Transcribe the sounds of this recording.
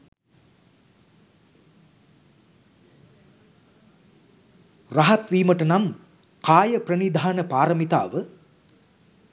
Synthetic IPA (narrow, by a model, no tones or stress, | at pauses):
raɦɐt̪ʋiːməʈənam | kaːjəprɐnid̪ʱaːnəpaːɾəmit̪a̰ːʋə